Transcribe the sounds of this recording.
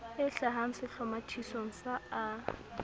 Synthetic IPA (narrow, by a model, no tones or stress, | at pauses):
ɪɬaɦaŋ̩sɪɬɔmatʰisoŋ̩saa